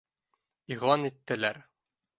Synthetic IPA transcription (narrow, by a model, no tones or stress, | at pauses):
iʁlˠɑnit̪ːɘ̆læɾ